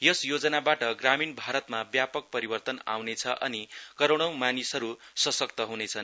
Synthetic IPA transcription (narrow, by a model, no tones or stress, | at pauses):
jʌsjod͡zʌnabaʈʌɡraminbʱaɾʌt̪mabjapʌk̚pʌɾibʌrt̪ʌna̰wnet͡sʰʌʔʌnikʌɾoɽ̃ʌw̃manisɦʌɾusʌsʌk̚t̪ʌɦunet͡sʰʌn